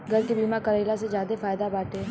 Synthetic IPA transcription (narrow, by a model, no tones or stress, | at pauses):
ɡʱɐɾkebiːmakɐɾeːlased͡ʒjaːd̪efaːjd̪abaːʈeː